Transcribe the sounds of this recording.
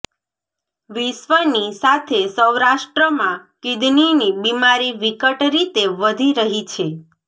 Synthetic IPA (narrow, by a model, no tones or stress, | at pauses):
ʋiʃʋənisat̪ʰesəwɾaʃʈɾəmãkid̪ninibimaɾiʋikəʈɾit̪eʋəd̪ʱiɾəɦit͡ʃʰe